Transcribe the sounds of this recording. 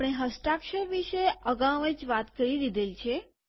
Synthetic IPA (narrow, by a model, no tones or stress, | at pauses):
pɽ̃eɦəsʈɾakʃəɾʋiʃeəɡãʋed͡ʒʋat̪kəɾid̪id̪elt͡ʃʰe